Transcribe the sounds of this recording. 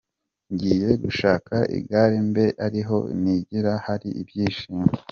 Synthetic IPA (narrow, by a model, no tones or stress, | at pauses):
ɲɟiːje̞ɡuʃaːkʰaʔḭɡaɾimbe̞ʔaɾiɦo̞̰niɟiɾahaɾiʔibjiːʃiːmɡe